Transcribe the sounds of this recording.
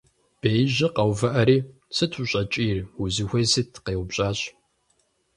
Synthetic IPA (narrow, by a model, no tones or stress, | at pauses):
b̥ejʑɪqɐwvɐʔɐɾiː | sɨtʰuɕʼɐt͡ʃʼiːruzixʷejsɨtʰqeːwʊbɕʼaːɕʼ